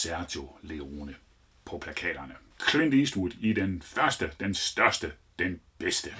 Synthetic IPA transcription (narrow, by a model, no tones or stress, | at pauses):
sæɐt͡sʰole̝onə | pʰɒ̽pʰlækʰɛ̰ːd̥ɐnə | kʰlend̥isd̥ud̥id̥enfɶɐsd̥əd̥ensd̥ɶɐsd̥ə | d̥enb̥esd̥ə